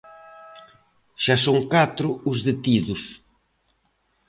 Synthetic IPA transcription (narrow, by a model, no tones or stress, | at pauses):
ʃasoŋkat̪ɾʊʊzðet̪iðʊs